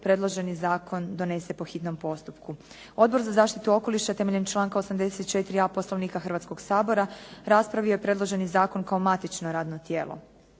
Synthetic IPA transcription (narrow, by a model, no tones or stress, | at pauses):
pɾed̪lo̞ʒe̞nizaːkʰo̞nd̪o̞ne̞sepoxit̪no̞mpo̞st̪upku | o̞d̪bo̞ɾzazaːʃt̪it̪uo̞ko̞liʃat̪e̞meʎemt͡ʃlˠaːŋkaosamd̪eset̪t͡ʃe̞t̪ɾiapo̞slˠo̞ʋniːkaxrʋat̪sko̞ɡsaːbo̞ɾaɾaspɾaʋio̞jepɾe̞d̪lˠo̞ʒe̞nizaːko̞nkaomat̪it͡ʃnoɾaːd̪not̪jeːlˠo̰